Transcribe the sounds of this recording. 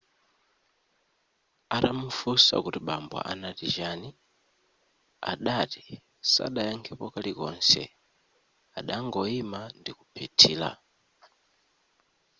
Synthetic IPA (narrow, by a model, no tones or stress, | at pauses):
atamufusa̰kutiɓamba̰ʔanatiʒani | a̰ɗati | sa̰ɗajaŋkʰɛpɔkalikɔnsɛ̰ | aɗaŋɡɔimandikupʰɛtʰiːla̰